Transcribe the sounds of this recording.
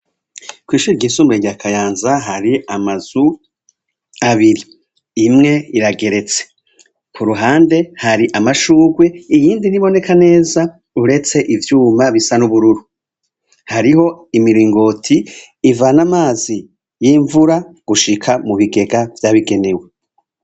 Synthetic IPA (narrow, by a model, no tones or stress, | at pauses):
kwiːʃuɾiɟiːnsuːmbeɟakʰajaːnzaɦaɾiamaz̥u | aβiɾiː | mŋe̞iɾaɡe̞ɾe̞t͡se̞̥ | kʰuɾuɦaːnde̞haɾiʔamaʃuːɡwe̞ijiːndiniβo̞ne̞kane̞ːza | uɾe̞t͡se̞ʔivjuːmaβisanuβuɾuɾu | haɾiho̞imiɾiːŋɡo̞tʰiː | vanamaːzi | jiɱvuɾaɡ̥uʃikʰamuβiɡe̞ɡavjaːβiɡe̞newe̞